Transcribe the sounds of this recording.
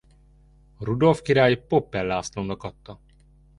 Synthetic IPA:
ɾud̪o̞lfkiɾaːjipopːɛlːaːslond̪ɒkɒt̪ːɒ

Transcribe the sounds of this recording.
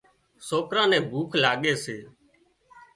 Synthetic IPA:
soːkɾãːnɛ̃ːbʱuːkʰlaːɠeːseː

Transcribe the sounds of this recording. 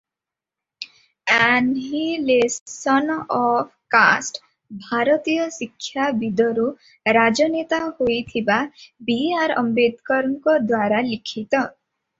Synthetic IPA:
anɦilessɔnɔpʰka̰sʈ | bʱaɾɔt̪ijɔsikʰːjabid̪ʱɔɾu | ɾad͡ʒɔnet̪ahojt̪ʰibabiaɾɔ̰mbed̪kɔɾɔŋkɔd̪waɾalikʰit̪ɔ

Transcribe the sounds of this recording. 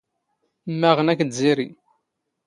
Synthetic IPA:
mːæʁənækd̪ziɾi

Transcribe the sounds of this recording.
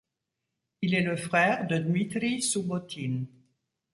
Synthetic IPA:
ilɛləfχɛːʁd̪əd̪mit̪ʁisubɔt̪ʰin

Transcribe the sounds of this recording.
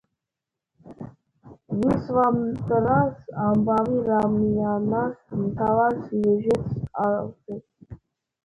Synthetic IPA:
visvamt̪ʼɾasambaviɾamnijanasmt̪ʰavaɾsjɛʒɛt̪ʰsaɾltɛt

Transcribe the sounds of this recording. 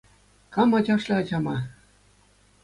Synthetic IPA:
kɑmɑd͡ʑɑʂlʲɤ̆ɑd͡ʑɑmɑ

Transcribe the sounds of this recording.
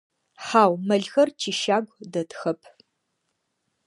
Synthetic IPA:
ħaːwmɐɮxɐrt͡ʃʰiːʃaːɡʷdɐtxɐpʰ

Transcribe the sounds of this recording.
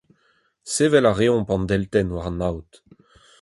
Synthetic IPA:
seːvɛlaʁeɔ̃pɑ̃nd̪ɛlt̪ɛnwaʁnawt̪

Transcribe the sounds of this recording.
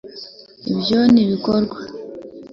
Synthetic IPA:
ibjo̞niβikoɾɡwa

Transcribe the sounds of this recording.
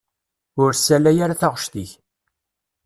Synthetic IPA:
ʊɾsælæjaɾaθaʁʃt̪iç

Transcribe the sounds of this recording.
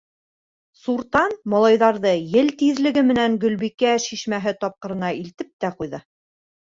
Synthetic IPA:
suɾt̪ɑnmɒlˠɑjðɑɾðɤjɘlt̪iðlɘ̆ɡɘmɘ̆næŋɡɵ̆lβikæʃiʃmæɦɘt̪ɒp̚qɤ̆ɾɤ̆nɑilt̪ɘp̚t̪æqujðɤ

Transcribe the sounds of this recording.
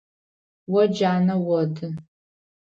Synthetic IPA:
wɔd͡ʒaːnɐwɔdʰɨ

